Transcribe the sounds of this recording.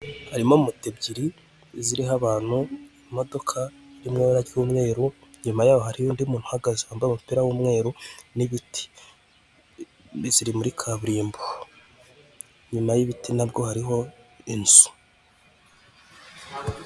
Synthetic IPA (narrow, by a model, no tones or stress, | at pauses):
haɾimo̞umutebɟiɾi | ziɾiɦaβaːn̥hu | mo̞do̞kʰa | ɾimŋeɾaɟwumŋe̞ːɾu | ɲumajaːβohaɾijundiumuːn̥u̥haɡazehaːmbamupiɾawumŋe̞ːɾoniβiti̥ | ziɾimuɾikʰaβuɾiːmbu | ɲumajiβitinabjo̞haɾiɦo̞inzu̥